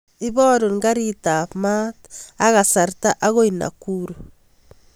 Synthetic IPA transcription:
i˦βɔ˦ɾo˨ŋɡaɾita˨pmataɣa˨sa˨ɾta˦ʔa˦ɣo˦ina̰˨kuɾu

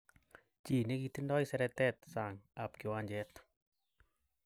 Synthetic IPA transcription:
t͡ʃi˨ni˦ki˧t̪indɔ˦jsɛ˧ɾɛt̪ɛt̪̚saŋa˨p̚ki˨waɲd͡ʒɛt̪

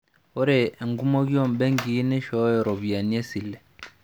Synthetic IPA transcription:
o˦ɾɛ˨e˨ŋɡu˦mo˦ɡi˦ɔ˦˨m˨bɛ˦ŋɡi˨˦ne˦ʃɔ˨˦jɔ˨ɾɔ˨βi˨a˨ni˦ɛ˦si˨lɛ˨

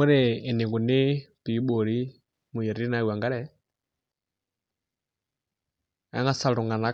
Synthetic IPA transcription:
ʊ˦ɾɪː˨nɪ˨kʊ˨nɪ˦ti˨˦ɓo˨ɺi˦ | mʊ˨jɛ˨ɾi˦na˦u˨wa˨ŋɡa˦ɾɛ˦ | a̰˦ŋa˦sa˨ɺɔ˨ŋɡa˨na˦

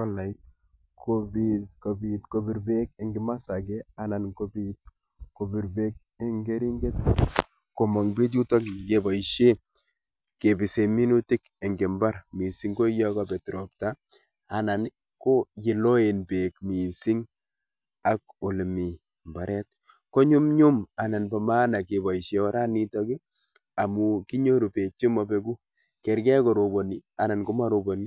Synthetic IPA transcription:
ka˦la˨i˦t̚ | ko˨bitko˨bi˨tko˨bi˨ɾbe˦ke˨ŋɡɪ˨ma˦sa˨ɡe˦a˨na˨nko˦bit̚ | ko˨bi˨ɾbe˦k̚ | e˦ŋɡe˦ɾi˦ŋɡe˦t̪̚ | ko˨mo˨ŋbi˦t̬u˦to˦kɡe˨ba˨iʃe˦ | ke˨bɪ˨se˨mi˦nu˦ti˦k | e˨ŋɡɪ˨mba˦ɾmi˨si˦ŋɡo˦ja˦ka˦be˨tɾo˨pta˦ | a˨na˨n | ko˦jɪ˨lo˦e˨nbe˨kmi˨sɪ˦ŋ | a˨k̚o˨lmi˨ | mba˨ɾʔɛt̚ | ko˦ɲʊ˦mɲʊ˦ma˨na˨nba˨ma˦na˨ke˨ba˨iʃe˨wa˦ɾa˦ni˦tɔ˦ki˦ | a˨mu˨ki˦ɲo˦ɾu˨pe˨t͡ʃi˦mɔ˨bɛ˦ku˦ | kɛ˨ɾkɛ˦ko˨ɾo˨bo˨ni˦a˨na˨nko˦ma˦ɾo˨bo˨ni˦

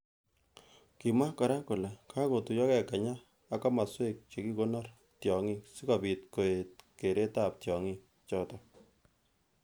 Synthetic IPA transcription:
ki˨ma˦kɔ˨ɾa˦kʊ˨le˨kʰa˦ko˨tu˨jɔ˦kɛ˦˨ka˨ɲaː˦ | kɔ˦ma˨swe˦k̚t͡ʃe˨ki˦ko˦nɔ˦r | tjɔ˨ŋi˦si˦kɔ˨pi˨tko˨e˨t̚ke˨ɾe˦ta˦p̚tjɔ˨ŋi˦ | t͡ʃɔ˦tɔ˨

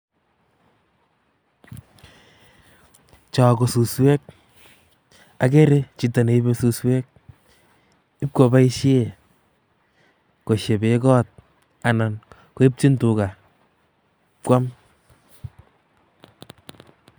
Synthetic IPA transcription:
t͡ʃɔ˨ko˨su˨swɛ˦k̚ | a˨ke˦ɾe˦t͡ʃi˨ta˨ne˨i˦be˦su˦swɛ˦k̚ | ɪ˦p̚ko˨ba˦i˦ʃe˦ | ko˨ʃe˨be˨˦kɔ˦t̚ | a˨na˨n | ko˨˦e˦p̚ti˦ntʊ˨ka˨ | pkwa˦m

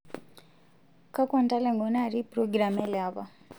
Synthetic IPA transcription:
ka˦kwa˨nta˦lɛ˨ŋɡɔnaɾi˦pɾɔɡɾa˨mɛ˦lɛaβa˨

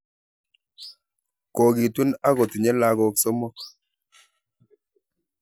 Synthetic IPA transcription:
ko˨ɡi˨tu˦na˦ɣɔ˨ti˨ɲɛ˦la˦ɣɔ˦ksɔ˦mɔ˦k̚

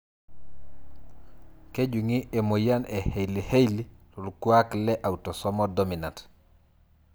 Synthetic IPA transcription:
ke˦ɟu˨ŋi˦e˨mo˨ja˦ne˨he˨jli˨he˦jli˦lo˨luku˦a˦kle˦ʔa˨wto˨sɔ˦mɔ˦domi˨nant

